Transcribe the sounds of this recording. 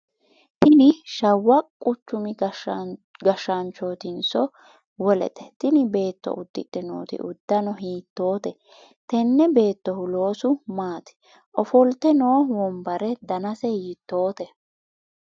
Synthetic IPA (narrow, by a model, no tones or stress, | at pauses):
t̪ɪnɪʃɐwːɐkʼʊt͡ʃːʊmɪ | ɡɐʃːɐnt͡ʃːoːt̪ɪnsɔ | wɔlɛ̰t̪ʼɛ̥t̪ɪnɪbe̞ːt̪ːɔ̰ʔʊd̪ːɪᶑ̪ɪno̰ːt̪ɪ̰ʔʊd̪ːɐnɔɦiːt̪ːo̞ːt̪ɛ | t̪ɛnːɛbe̞ːt̪ːɔhʊlo̞ːsʊmaːt̪ɛ̥ | ʔɔfɔlt̪ɛno̞ːwɔmbɐɾɛd̪ɐnɐsɛhiːt̪ːo̞ːt̪ɛ